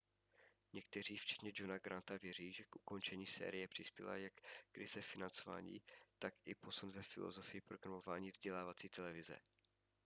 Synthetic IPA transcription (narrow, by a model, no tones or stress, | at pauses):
ɲɛk̚t̪ɛr̝iːft͡ʃɛ̥t̪ɲɛd͡ʒo̞naɡɾant̪avjɛr̝iːʒɛkʔuko̞nt͡ʃɛɲiːsɛ̰ːɾɪjɛpr̝̥ɪspjɛ̰la̰jakkɾɪzɛfɪnant͡so̞va̰ːɲḭːt̪akɪpo̞sunvɛfɪlo̰zo̞fɪjɪpɾo̞ɡɾamo̞vaːɲiːvzɟɛlaːvat͡siːt̪ɛlɛvɪzɛ̰